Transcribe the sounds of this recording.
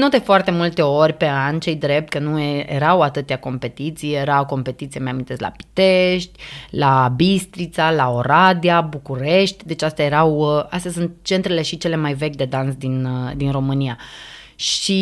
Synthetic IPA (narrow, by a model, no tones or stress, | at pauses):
nod̪efoart̪e̞mult̪e̞o̞rʲpe̞anʲt͡ʃe̞jd̪ɾe̞p̚t̪̚kənuejḛɾawat̪ɨt̪ʲako̞mpe̞t̪it̪sijjeɾawko̞mpe̞t̪it̪sijemamint̪e̞st̪la̰pi̥t̪eʃt̪ʲlabist̪ɾit̪salaoɾad̪iabukuɾe̞ʃt̪ʲd̪e̞t͡ʃast̪ajeɾawast̪easunt̪t͡ʃe̞nt̪ɾele̞ʃit͡ʃe̞le̞majve̞kʲd̪e̞d̪ansd̪inəd̪inro̞mɨnia | ʃi